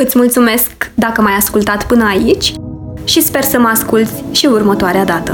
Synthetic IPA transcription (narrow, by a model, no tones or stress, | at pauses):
ɨt̪sʲmult̪sume̞skd̪akəmajaskult̪at̪pɨnəait͡ʃʲʃispe̞rsəməaskult̪sʲʃiurmət̪oaɾead̪at̪ə̰